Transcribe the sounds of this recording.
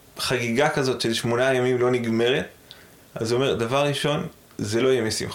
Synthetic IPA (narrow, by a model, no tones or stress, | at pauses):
χaɡiɡakazo̞tʃezʃmo̞najamimlo̞niɡme̞ʁet | ʔazuome̞ʁdavaʁːiʃo̞n | zelo̞jemisḭm